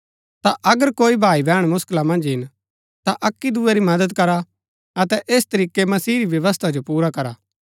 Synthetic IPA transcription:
t̪aʔɐɡəɾkoːibʱaːibɛːɽ̃mʊsklamɐ̃nd͡ʒɦɪn | t̪aʔɐkːid̪ueɾimɐd̪əd̪kɐɾa | ɐt̪ɛʔeːst̪ɐɾiːkemɐsiːɾiʋjɐʋəst̪ʰad͡ʒopuːɾakɐɾaː

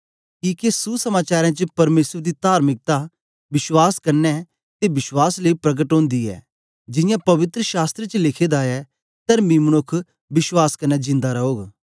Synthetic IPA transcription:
kiːkesusɐmaːt͡ʃaːɾãt͡ʃəpɐɾmeːsəɾd̪it̪aːɾmɪk̚t̪a | ʋɪswaːskɐɾnɛ | t̪eʋɪʃwaːsleipɾɐɡəʈɦõːnd̪iɛ̰ː | d͡ʒɪjãpɐʋɪt̪ɾəʃaːst̪ɾet͡ʃəlɪkʰeːd̪aɛ | t̪ɐɾmĩmɐnʊkʰː | bɪswaːskɐɾnɛd͡ʒɪ̃nd̪aɾɐɦoːɡ

